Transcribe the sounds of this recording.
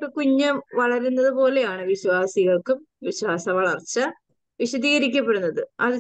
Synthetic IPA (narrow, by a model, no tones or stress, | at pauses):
pːɐkuɲːɐmʋɐɭɐɾunːɐðɨpo̞ːle̞jaːɳɨʋiɕwaːsiɣɐɭkum | ʋiɕwaːsɐʋɐɭɐrt͡ɕːɐ | ʋiɕɐðiːɣɐɾik̬ʲːɐpːeɽunːɐðɨɐðɨ